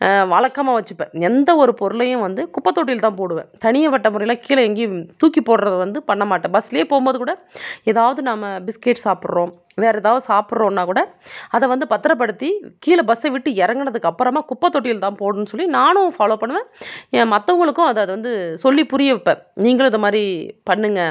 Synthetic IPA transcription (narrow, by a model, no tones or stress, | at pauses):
ʋɐɭɐkːɐmaːʋɐt͡ʃːɯpːḛ̃ːɛnd̪ɐɔɾɯpɔɾɯlɐjʊ̃ʋɐnd̪ɯkʊpːɐt̪ːoːʈ̬ːɪjɪlt̪ãːnpoːɽɯʋḛ̃ːt̪ɐɳɪjɐʋɐʈːɐmʊɾɐɪjɪlaːkiːlɐɛŋɡit̪uːkipːoːɽɾɐðɐʋɐnd̪ɯpɐɳːɐmaːʈːẽːbɐsːɪlɐjeːpoːɣɯmbɐðɯkuːɽɐɛðaːʋɐðɯnaːmɐbɪskeːʈsaːpɪɾɾõːm | ʋeːɾɐðaːʋɐðɯsaːpɪɽɾõːnːaːkuːɽɐɐðɛʋɐnd̪ɯpɐt̪ːɯɾɐp̬ːɐɽɯt̪ːikiːlɐbɐsɐʋɪʈːɯɛɾɐŋɡɐɳɐðɯkːɐpːɯɾɐmaːkʊpːɐt̪ːoːʈːɪjɪlt̪ãːnpoːɽɯnːɯsɔlːinaːnʊ̃faːloːpɐɳːɯʋẽːẽːmɐt̪ːɐʋɐŋɡɐɭɯkːʊ̃ɐðɐðɯʋɐnd̪ɯsɔlːipʊɾɪjɐʋɪpːẽːniːŋɡɐɭɪnd̪ɐmaːd̪ɾipɐɳːɯŋɡɐ